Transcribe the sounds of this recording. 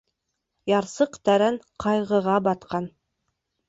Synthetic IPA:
jɑɾsɤqt̪æɾænqʰɑjʁɤ̆ʁɑbɑt̪qɑn

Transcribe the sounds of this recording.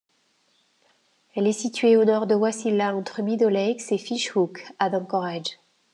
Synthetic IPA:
ɛlɛsit̪ɥeonɔʁd̪əwasilaɑ̃t̪χəmid̪ɔlɛksefiʃhukad̪ɑ̃kɔʁad͡ʒ

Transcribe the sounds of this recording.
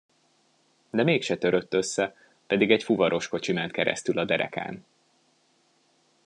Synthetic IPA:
d̪ɛmeːkʃɛt̪ø̞ɾø̞t̪ːø̞sːɛ | pɛd̪iɡɛcfuvɒɾʔo̞ʃko̞t͡ʃimɛnt̪̚kɛɾɛ̰st̪ylɒd̪ɛɾɛ̰ka̰ːn

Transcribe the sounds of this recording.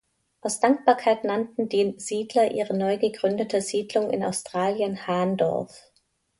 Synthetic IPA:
ʔaʊsd̥aŋk̚b̥aːɐkʰaɪtnantn̩diːz̥iːdlɐʔiːʁənɔʏɡəɡʁʏndətʰəziːdlʊŋɪ̰na̰ʊstʁ̥aːljənhaːɐndɔ̰ɐf

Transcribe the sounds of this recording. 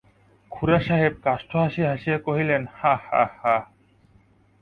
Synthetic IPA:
kʰuɾaʃaɦeb̚kaʃʈʰoɦaʃiɦaʃijekoɦilenhaha̰ha

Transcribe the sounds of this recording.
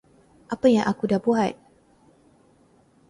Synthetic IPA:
ʔapajaŋʔakudabuɦat̪̚

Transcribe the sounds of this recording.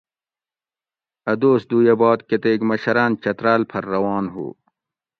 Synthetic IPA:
ɐd̪oːsd̪uːjɐbɑːt̪ket̪eːɡmɐɕɐɾaːnt͡ɕɐt̪ɾaːlpʰɐɾːɐwɑːnɦṵː

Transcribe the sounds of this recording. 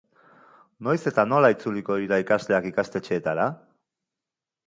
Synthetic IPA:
no̞jse̞t̪ano̞lait͡suliko̞iɾaikazle̞akikast̪e̞t͡ʃe̞ːt̪aɾa

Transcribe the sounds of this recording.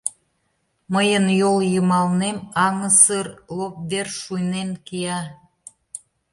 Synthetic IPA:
məjənjoljəmɑlnemɑŋəsərlop̚βerʃujnenkiɑ

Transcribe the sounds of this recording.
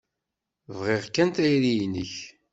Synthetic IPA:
vʁeʁkːænt̪æjɾijnə̰ç

